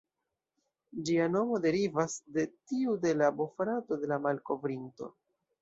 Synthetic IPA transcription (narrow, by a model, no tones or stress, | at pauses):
d͡ʒiano̞mo̞de̞ɾivasde̞tiude̞labofɾato̞de̞lamalko̞vɾinto̞̰